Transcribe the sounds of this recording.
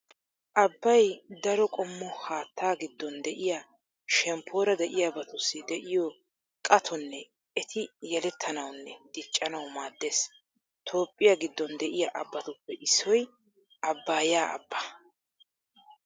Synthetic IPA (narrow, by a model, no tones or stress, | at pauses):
ʔɐbːɐjd̪ɐɾɔkʼɔmːɔhaːt̪ʰːaːɡɪd̪ːɔnd̪ɛʔɪja | ʃɛmpʰːo̞ːɾɐd̪ɛʔɪjabɐt̪ʊsːɪd̪ɛʔɪjɔ | kʼɐt̪ʰɔnːɛ | ɛt̪ʰɪjɛlɛt̪ʰːɐnɐwnːɛd̪̥ɪt͡ʃʼːɐnɐwmaːd̪ːe̞ːs | t̪ʰo̞ːpʼːɪjaɡɪd̪ːɔnd̪ɛʔɪjaʔɐbːɐt̪ʊpːɛʔɪsːɔj | ʔɐbːaːjaːʔɐ̰bːɐ